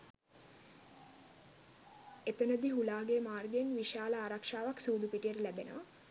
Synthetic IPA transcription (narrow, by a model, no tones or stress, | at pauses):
et̪ənəd̪iɦulaːɡemaːrɡeenʋiʃaːləaːɾakʂaːʋaksuːd̪upiʈijəɾəlæbenə̰ʋə